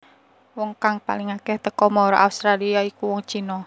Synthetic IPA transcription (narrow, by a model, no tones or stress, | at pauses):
wɔŋkaŋpa̰liŋakɛht̪əkɔmɔɾɔ̰ʔaust̪ɾaliaikuwɔŋt͡ʃinɔ